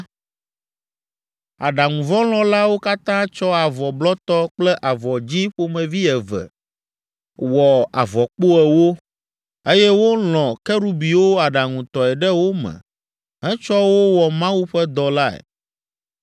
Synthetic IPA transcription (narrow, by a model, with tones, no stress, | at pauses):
a̰˨ɖa˨ŋũ˨vɔ̃˦l̃ɔ̃˨˦la˦wo˦ka˦t̪ã˦t͡ʃɔ˦a˨vɔ˨blɔ˦t̪ɔ˦k͡plɛ˦ʔa˨vɔ˨d͡ʑĩ˦ɸo˦mɛ̃˨vi˦ɛ˨vɛ̰˨ | wɔ˨a̰˨vɔ˨k͡po˦ɛ˨wo˦ | e˦jɛ˦wo˦lɔ̃˨kɛ˦ɾu˦bi˨wo˦a˨ɖa˨ŋũ˨t̪ɔ˨ɛ˨ɖɛ˦wo˦mɛ̰̃˨ | ɦɛ̃˦t͡ʃɔ˦wo˦wɔ˨mã˦wu˦ɸɛ˦d̪ɔ˨la˦ɛ̰˨